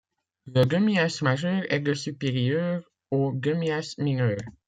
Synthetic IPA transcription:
ləɡəmiasmaʒœʁɛd̪əsypeʁjœʁ | oɡəmiasminœːʁ

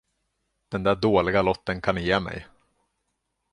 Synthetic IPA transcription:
d̪̥ɛnd̪æːɖoːlɪɡalɔt̪ːənkʰanjeːmɛ̰j

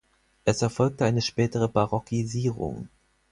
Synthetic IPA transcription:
ʔɛsɛɐfɔlk̚təaɪnəʃpɛːtəʁ̞əbaʁɔkʰiziːʁʊ̰ŋ

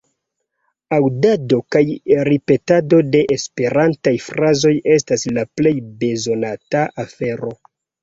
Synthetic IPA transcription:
awdado̞kajɾipe̞tado̞de̞ʔespe̞ɾantajfɾazo̞je̞s̬taslaple̞jbe̞zo̞nataʔafe̞ɾo̞

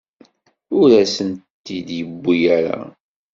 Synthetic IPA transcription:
ʊɾæsənt̪ːid̪jəbːijæɾa̰

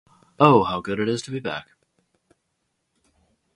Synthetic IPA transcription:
oʊhaʊɡʊɾɨɾɨz̥tʰɨbibæ̰k

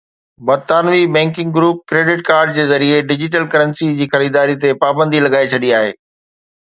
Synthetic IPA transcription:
bɐɾt̪aːnʋibɛ̃ːŋkɪ̃ŋɡɡɾuːp̚kɾeːɖɪʈkaːɾɖ̚d͡ʑeːzɐɾieɖɪd͡ʑɪʈ̬əlkɐɾə̃nsid͡ʑiːxɐɾiːd̪aːɾit̪epaːbə̃nd̪ʱilɐɡaːet͡ɕʰɐɗiaːɦḛː

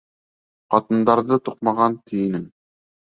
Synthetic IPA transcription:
qɑt̪ɤ̆nd̪ɑɾðɤt̪uq̚mɑʁɑnt̪ĭjɘ̆nɘŋ

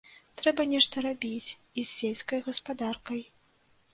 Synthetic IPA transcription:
t̪ɾɛbɐnʲɛʂt̪ɐɾabʲit͡sʲ | izːʲelʲsʲkɐjɣɐspad̪arkɐj

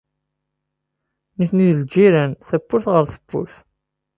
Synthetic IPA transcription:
nifniðəld͡ʒiɾənθəbːʊɾθʁəɾθə̥bːʊ̰ɾθ

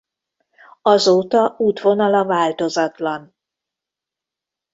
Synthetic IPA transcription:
ɒzoːt̪ɒuːt̪vo̞nɒlɒvaːlt̪o̞zɒt̪lɒn

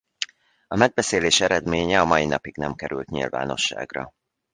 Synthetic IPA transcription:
ɒmɛɡ̚bɛseːleːʃɛɾɛd̪meːɲɛɒmɒjinɒpiɡnɛmkɛɾylt̪ɲḭlva̰ːno̞̰ʃːa̰ːɡrɒ̰

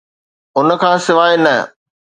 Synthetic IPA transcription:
ʊn̆kʰãːsɪʋaːenɐ

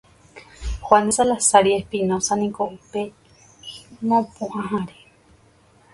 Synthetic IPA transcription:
xwanisalasaɾiehpinõsanĩkoupe | mõpũʔãɦãɾe

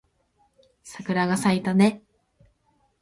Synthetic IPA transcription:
sakɯ̟ɾaɡasait̪ane

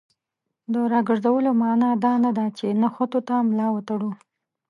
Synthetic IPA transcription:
d̪əɾɑɡəʐzawəlomɑnɑd̪ɑnad̪at͡ʃenaxot̪ot̪amlɑwət̪aɽu

